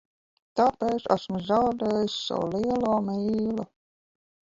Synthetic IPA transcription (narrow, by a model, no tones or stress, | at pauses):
t̪apeːt̪sæ̰smuzawd̪eːjissa̰wuliɛluːmiːlu